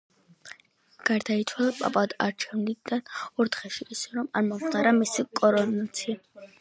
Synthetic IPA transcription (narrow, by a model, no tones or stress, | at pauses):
ɡ̥aɾd̪ait̪sʰwalˠapʼa̰pʼad̪a̰ɾt͡ʃʰɛvnid̪anɔɾt̪χɛʃiːsɛɾɔmaɾmɔmχt̪ʰʼaɾamisikʼɔɾɔnat̪sʰia